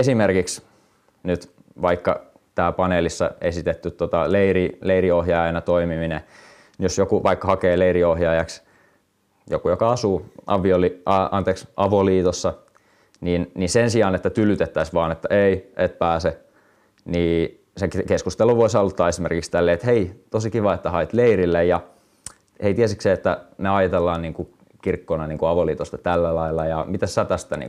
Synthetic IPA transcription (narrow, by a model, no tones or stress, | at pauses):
esimerkiks | nyt̪ | ʋɑikːɑ̰ | t̪æːlpɑneːlisːɑ̰esit̪et̪ːyt̪ːot̪ɑleirileiriohjɑjɑjnɑt̪oimimine | ijosjokuʋɑikːɑhɑkeːleiriohjɑːjɑks | jo̰kujokɑɑsuːʔɑ̰ʋːioliɑɑ̰nt̪eːksʔɑʋoliːt̪osːɑ | niːnnisensiɑːnet̪ːæt̪ylyt̪et̪ːæisʋɑːnet̪ːæʔeiʔet̪̚pæːse | niː | sekkeskust̪eluʋoisɑlt̪ːɑːesimerkikst̪ælːeːet̪heit̪osikiʋɑet̪ːæhɑit̪leirilːejjɑ | heit̪iæsikseet̪ːæneɑjɑt̪elːɑːnniːŋku | kirkːonɑniːŋkuɑʋoliːt̪ost̪ɑt̪ælːælɑilːɑjɑmit̪æssæːt̪æst̪ænḭŋ